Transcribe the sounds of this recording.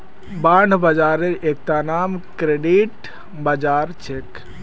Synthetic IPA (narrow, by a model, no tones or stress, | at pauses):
bãɳɖʱbad͡ʒaɾeɾek̚t̪anamkɾeɖiʈ | bad͡ʒaɾt͡ʃʰek